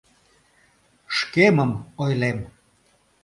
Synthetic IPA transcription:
ʃkeməmojlem

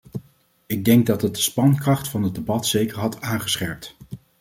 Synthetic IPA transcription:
ɪɡ̚dɛŋɡ̚dɑtɦət̚dəspɑnkrɑχtfɑnɦəd̚dəbɑtsejkəɹɦɑtaːnχəsχɛɹp̚t

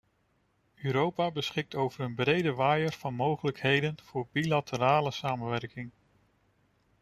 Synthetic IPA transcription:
øːɾowpaːbəsχɪk̚towvəɾənbrejdəʋaːjəɹv̥ɑnmowχələkɦejdənv̥ʊːɹbilatəɾaːləsaːmənʋɛrkɪŋ

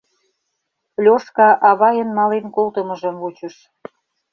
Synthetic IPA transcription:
lʲoʃkɑʔɑβɑjənmɑlenkolt̪ə̆mə̆ʒə̆mvut͡ɕə̆ʃ

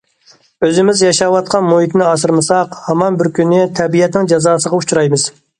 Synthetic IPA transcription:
øzɪmɪzjɑʃɑwɑt̪̚qʰɑnmohit̪nɪɑsɨɾmɨsɑqhɑmɑnbɪɾkʲʰynːɪt̪ʰɛbijɛt̪̚nɪŋd͡ʒɑzɑːsəʁɑut͡ʃʰuɾɑjmɨz̥

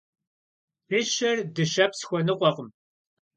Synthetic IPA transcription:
rɪɕɐrdɨʃɐpsxʷɔnɨqʷɔqəm

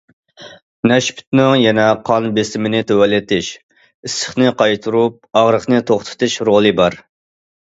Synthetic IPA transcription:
nɛʃpy̥t̪̚nɪŋjɛnɛqʰɑnbesɪmɪnɪt̪ʰøwɛlːɪt̪ʰɪʃ | ɪsːə̥χnɨqʰɑjt̪ʰuɾup̚ɑʁɾəχnɨt̪ʰoχt̪ʰɨ̥t̪ʰɨʃɾolˠɨbɑɾ

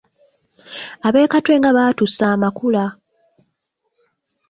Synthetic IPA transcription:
aβe̞ːkatwe̞ŋɡaβatusaːmakula

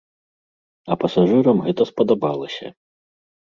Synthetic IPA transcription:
ɐpɐsaʐɨɾɐmɣɛt̪ɐspɐd̪abalˠɐsʲɐ̰

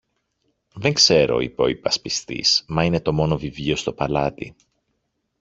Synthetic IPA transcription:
ðe̞ŋkse̞ɾo̞̰ḭpo̞ipɐspist̪ḭsmɐine̞t̪o̞mo̞no̞vivʎio̞st̪o̞pɐlɐt̪ḭ

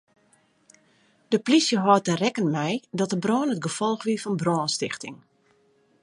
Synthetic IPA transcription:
d̥əplisjəɦɔːtərɛkənmɛjdɔt̚dəbrɔːnətɡəfɔlˠxʋiəfɔnbrɔːnstɪxtɪŋ

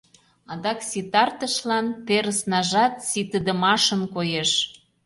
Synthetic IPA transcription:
ɑd̪ɑksit̪ɑrt̪əʃlɑnt̪eɾəsnɑʒɑt̪sit̪əd̪ə̆mɑʃənkojeʃ

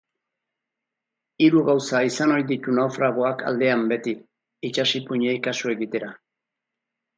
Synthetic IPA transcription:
iɾuɣawsaisano̞ɾjd̪it̪unawfɾaɣ̞o̞akʰa̰ld̪e̞ambe̞t̪i | it͡ʃasipuɲeikasue̞ɣit̪e̞ɾa

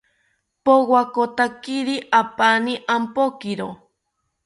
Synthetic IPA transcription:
powakot̪akiɾiʔapaniʔampokiɾo

